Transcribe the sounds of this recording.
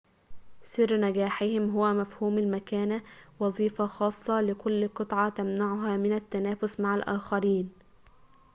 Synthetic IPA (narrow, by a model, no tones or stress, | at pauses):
sɪrːnæɡæːħɪhɪmɦʊwːæmæfhuːmɪlmækæːnæwɑzˤiːfɑxɑːsˤːɑlɪkʊlːqɨt̪ˤʕɑt̪æmnaʕʊɦæːmɪnæt̪ːænæːfʊsmaʕalʔæːxɑɾiːn